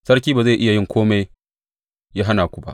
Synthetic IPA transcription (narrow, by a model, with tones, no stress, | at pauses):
sɐ˦rk̬ʲiː˦baː˨za˦˨jʔɪ˦ja˨jɪ˦ŋkʷʰoː˦ma˦j | jaː˦ɦa˦naː˨kʷu˦˨ba̰˦ʔ